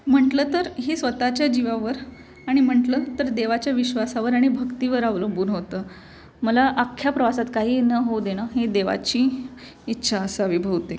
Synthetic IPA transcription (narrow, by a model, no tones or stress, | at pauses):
m̤əɳʈləːt̪əɾɦesʋət̪at͡ɕjad͡ʑiʋaʋəɾ | aɽ̃im̤əɳʈlət̪əɾd̪eʋat͡ɕjaʋiɕʋasaʋəɾaɽ̃ibʱəkt̪iʋəɾaʋləmbuːnɦot̪əː | məlaʔakʰːjapɾəʋasat̪kaɦiːnəɦowd̪eɽ̃aɦed̪eʋa̰t͡ɕiː | tːɕʰaəsəəʋibʱəʋt̪e